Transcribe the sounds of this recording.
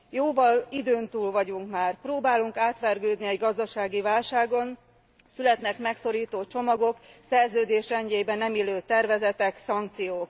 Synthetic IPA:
joːvɒlid̪øːnt̪uːlvɒɟuŋkmaːrproːbaːluŋkaːt̪ʋɛrɡøːd̪niɛɟɡɒzd̪ɒʃaːɡivaːlʃaːɡo̞n | sylɛt̪nɛkmɛkso̞ɾiːt̪oːt͡ʃo̞mɒɡo̞ksɛrzøːd̪eːʃrɛɲɟeːjbɛnːɛmiløːt̪ɛrvɛzɛt̪ɛksɒŋkt̪sijoːk

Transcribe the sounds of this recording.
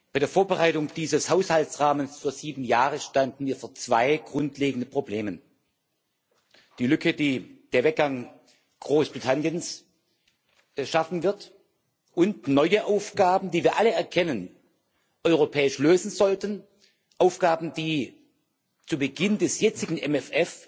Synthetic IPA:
b̥aɪɾeːɐfoːɐbəʁaɪtʊŋd̥iːzəshaʊshaltsʁaːmənsfyːɐziːbm̩jaːʁəʃtandn̩viːɐfoːɐt͡sv̥aɪɡ̥ʁʊntʰleːɡŋ̩dəpʁ̥obleːmən | d̥iːlʏkʰəd̥iːd̥eːɐvɛk̚ɡ̥aŋ | ɡ̥ʁoːsb̥ʁitʰanjəns | ʃafn̩vɪɐt | ʔʊntnɔʏəʔaʊfɡ̥aːbn̩diːviːɐʔaləɛɐkʰɛnən | ʔɔʏʁopʰɛːɪʃløːzn̩zɔltən | ʔaʊfɡ̥aːb̩d̥iː | t͡subəɡɪndɛsjɛt͡sɪɡŋ̩ʔɛmɛfɛf

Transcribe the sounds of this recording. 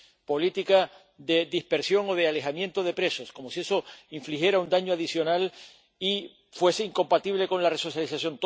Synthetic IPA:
po̞lit̪ika | ðe̞ðihpe̞ɾsjo̞ŋo̞ð̞eale̞xamjẽ̞nt̪o̞ð̞e̞pɾe̞so̞sko̞mo̞sie̞so̞iɱflixje̞ɾaund̪aɲoaðisjo̞nal | i | fwe̞seiŋko̞mpat̪iβle̞ko̞nlareso̞sjalisasjo̞nt̪

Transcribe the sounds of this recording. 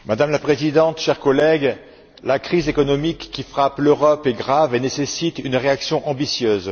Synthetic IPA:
mad̪amlapχezid̪ɑ̃t̪ʃɛʁkɔlɛɡ | lakχizekɔnɔmikːifχapløʁɔpeɡʁavenesesit̪ynʁeaksjɔ̃ʔɑ̃bisjøːz

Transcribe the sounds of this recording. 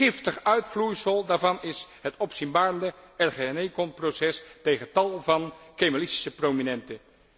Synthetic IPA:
ɪftəχœɥtflujsəlˠdaːɹvɑnɪsɦətɔpsinbaːɹəndəɛɹχeɛnejkɔnprowsɛstejχəntɑlˠvɑnkemalɪsti̥səprominɛntə

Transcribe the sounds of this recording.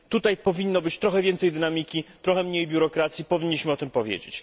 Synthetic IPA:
t̪ut̪ajpɔvʲinːɔbɘt͡ɕt̪ɾɔxɛvʲjɛnt̪sɛjd̪ɘnamʲikʲit̪ɾɔxɛmɲejbʲjuɾɔkɾat̪sʲjipɔvʲiɲːiɕmɘɔt̪ɘmpɔvʲjḛd͡ʑḛt͡ɕ

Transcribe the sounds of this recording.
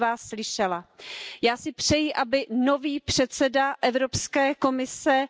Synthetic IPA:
vaːsːlɪʃɛlajaːsɪpr̝̥ɛjɪʔabɪno̞viːpr̥ɛt̪sɛdaʔɛvɾo̞pskɛːko̞mɪsɛ

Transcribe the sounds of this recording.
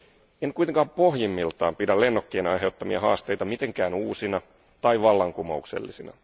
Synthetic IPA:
enkuijt̪eŋkɑːppohjimːilt̪ɑːmpidælenːokːeːnɑjɦe̞ut̪ːɑmiɑ̰ɦɑ̰ːst̪e̞jt̪ɑmit̪eŋkæːnuːsinɑ | t̪ɑiʋɑlːɑŋkumoukse̞̰lːisinɑ̰

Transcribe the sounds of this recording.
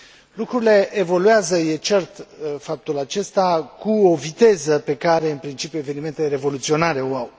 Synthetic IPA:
lukɾuɾile̞ʔevo̞luazəjet͡ʃe̞rt̪fap̚t̪ulat͡ʃe̞st̪akuo̞vit̪e̞zəpe̞kaɾe̞ɨnpɾint͡ʃipjue̞venime̞nt̪eeɾe̞vo̞lut̪sio̞naɾe̞oaw

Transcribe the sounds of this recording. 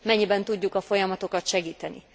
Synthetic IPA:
mɛɲːibɛnt̪uɟːukɒfo̞jɒmɒt̪o̞kɒt̪ʃɛɡiːt̪ɛnḭ

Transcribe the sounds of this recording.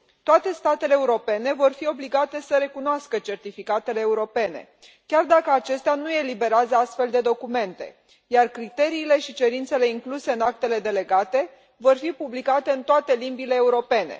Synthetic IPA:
t̪oat̪e̞st̪at̪e̞le̞ːuɾo̞pe̞ne̞vo̞rfio̞bliɡat̪e̞səɾe̞kunoaskət͡ʃe̞rt̪ifikat̪e̞le̞ːuɾo̞pe̞ne̞̰ | kʲard̪akəat͡ʃe̞st̪eanuje̞libe̞ɾeazəast̪fe̞ld̪e̞d̪o̞kume̞nt̪ḛ | jarkɾit̪e̞ɾiːle̞ʃit͡ʃe̞ɾint̪se̞le̞iŋkluse̞ɨnak̚t̪e̞le̞d̪e̞le̞ɡat̪e | vo̞rfipublikat̪e̞ɨnt̪oat̪e̞limbile̞ːuɾo̞pe̞ne̞̰

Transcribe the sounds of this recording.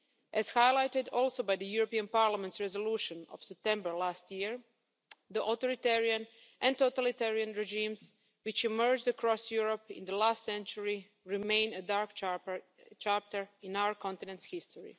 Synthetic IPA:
ʔɛz̥hajlˠajt̪ɪd̪ɔlˠsobajd̪əjuɾopiãnpaɾlamɛ̃nt̪sɹɛzoluːʃə̃no̰fsɛp̚t̪ɛ̃mbəɹlast̪jiɹ | d̪əʔot̪oɾit̪ɛɹiãn | ʔɛ̃nt̪ot̪alit̪ɛɹiãnɹɛd͡ʒĩms | wɪt͡ʃimɜɹd͡ʒdəkɾɔsjuɹopɪ̰̃nd̪əlaːst̪sɛ̃nt͡ʃuɹi | ɹimẽɪ̃nədaɹk | t͡ʃap̚t̪əɹɪ̃nawəɹkʰɔ̃nt̪ɪnɛ̃ntshist̪ʰoɹḭ

